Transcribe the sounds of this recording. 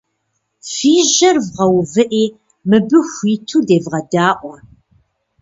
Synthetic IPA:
fiːʒɐrvʁɐwvɨʔeː | mɨbɨxʷiːtʰuːdeːvʁɐdaːʔʷɔ

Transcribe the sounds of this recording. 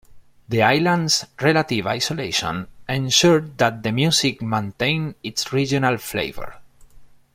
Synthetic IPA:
ðiajlãnsɹelat̪iva̰jsoleʃɔ̰̃nẽnʃuɹðat̪̚ðəmjusikmẽnt̪ẽjnitsɹid͡ʒɔnalflḛɪvə̰ɹ

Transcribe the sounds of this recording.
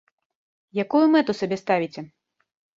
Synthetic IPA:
jakujumɛt̪usabʲɛst̪avʲit͡sʲɛ

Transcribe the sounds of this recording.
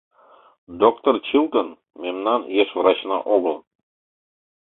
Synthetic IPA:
d̪okt̪ort͡ɕilˠt̪ən | mʲemnɑnjeʂvrɑt͡ɕnɑ̰ʔobə̆lˠ

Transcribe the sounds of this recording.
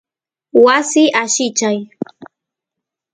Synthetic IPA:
wasɪʔaʃɪt͡ʃaj

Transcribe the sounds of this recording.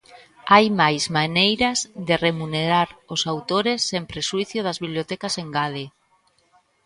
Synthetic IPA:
ajmajzmanejɾazðeremuneɾaɾʊsawt̪oɾesːẽmpɾeswiθjoðazβiβliot̪ɛkaseŋɡaðe

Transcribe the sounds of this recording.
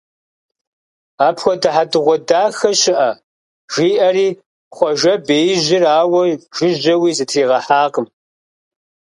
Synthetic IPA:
aːpʰxʷɔdɨħadɨʁʷɔdaːxɐɕɪʔɐ | ʒ̥iːʔɐɾiː | χʷɔʒɐbeːjʑɪraːwɐʒ̥ɪʑɐwiːzɨtʰriːʁɐħaːqəm

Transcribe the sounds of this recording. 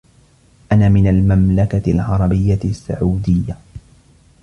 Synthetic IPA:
ʔanaːmɪnalmamlakalʕɑɾˤɑbɪjːasːa̰ʕuːd̪ɪjːa

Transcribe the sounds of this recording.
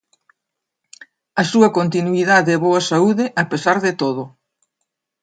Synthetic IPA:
ɐsuɐkont̪inuiðaðeɛβoɐsauðɪʔɐpesaɾðet̪oð̞ʊ

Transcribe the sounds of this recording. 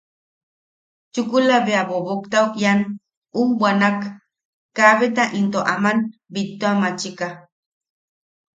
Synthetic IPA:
t͡ʃʊkulaβeabobokt̪awkjan | umbwanakː | aβet̪aʔint̪oʔamanbit̪ːoamat͡ʃika

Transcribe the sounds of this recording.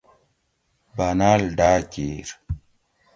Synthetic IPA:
banalɖaːceɾ

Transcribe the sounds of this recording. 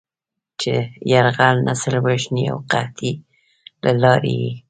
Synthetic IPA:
t͡ʃejaɾɣalnʔasəlwaʃnia̰wqaht̪ʰi | lalɑɾḛji

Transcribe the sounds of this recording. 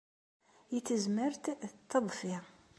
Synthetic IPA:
jit͡sːəzməɾt̪t̪ʰːəðˤfi

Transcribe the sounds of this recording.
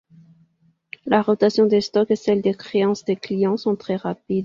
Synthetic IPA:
laʁɔt̪asjɔ̃d̪est̪ɔkesɛld̪ekχeɑ̃sd̪eklijɑ̃sɔ̃t̪χɛʁapid̪

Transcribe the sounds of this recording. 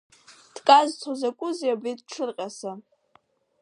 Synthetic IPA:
d̥kʼazt͡sʰozakʷʼʊzjabedʈ͡ʂʰɨrqʲʼasa

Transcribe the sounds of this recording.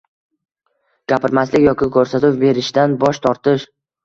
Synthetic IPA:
ɡ̥ʲapɪɾmaslɪkʲjɒkʲɪkʰɵɾsat̪ɪwbe̞ɾɪʃd̪anbɒʃt̪ʰɒɾt̪ɪʃ

